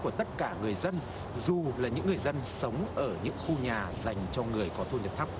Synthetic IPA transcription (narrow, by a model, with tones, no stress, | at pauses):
ku˧˩ət̪ə˦˥t̚kaː˧˩ŋɨ˨˩əjzə˧n | zu˨˩laː˨˩ɲɨ̰˧˥ŋːɨ˨˩əjzə˧nsə˨˦wŋ͡mʔəː˧˩ɲɨ̰˧˥ŋxu˧ɲaː˨˩za˨˩jŋ̟t͡ɕɔ˧ŋɨ˨˩əjkɔ˨˦t̪ʰu˧ɲə˨˩t̪ʰa˦˥p̚